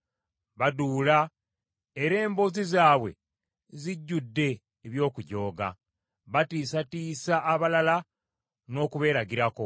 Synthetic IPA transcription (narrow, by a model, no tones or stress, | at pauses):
βaduːla | eɾe̞ːmbozizaːβwe̞̰ | ziɟːudːe̞ː | βjo̞ːkuɟo̞ːɡa̰ | βatiːsatiːsaʔːβalala | no̞ːkuβe̞ːɾaɡiɾako̞